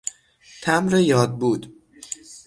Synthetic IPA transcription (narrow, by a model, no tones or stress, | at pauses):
t̪ʰæmɾejɒːd̪̚buːd̪